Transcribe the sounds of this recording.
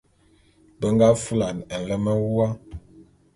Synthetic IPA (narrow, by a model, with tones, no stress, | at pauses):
bə˨˦ŋɡa˦fu˦la˨nɛ˨n̩˨lɛ˦mɛ˦wwa˦